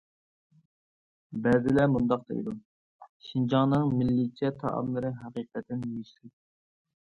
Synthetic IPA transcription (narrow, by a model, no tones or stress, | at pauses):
bɛzɪlɛmund̪ɑq̚d̪ḛjd̪u | ʃind͡ʒɑŋnɨŋmɪlːit͡ʃʰɛt̪ʰɑ̰ʔɑ̰mlˠɨɾɨɦæqiqət̪ʰɪnjyʃɪ